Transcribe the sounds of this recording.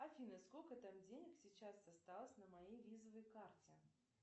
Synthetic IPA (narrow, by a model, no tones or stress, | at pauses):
afʲinɐskolʲkɐt̪amd͡zʲenʲəksʲit͡ʃasːast̪alˠəsʲnɐmajejvʲizɐvəjkart͡sʲɛ